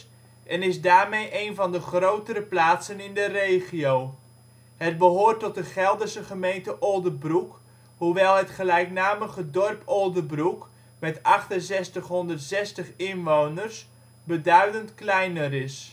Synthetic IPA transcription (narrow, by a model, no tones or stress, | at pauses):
ʔɛnɪzdaːrmejʔejnvɑndəχrowtəɾəplaːtsənɪndərejχiow | hət̚bəɦoːrtɔt̚dəχɛlˠdəsəχəmejntəʔolˠdəbruk | huʋɛlˠɦətχəlɛjknaːməɣədɔrpolˠdəbruk | mɛtɑχtənzɛstəχɦɔndərtsɛstəχɪnʋownərs | bədœɥdəntklɛjnərɪs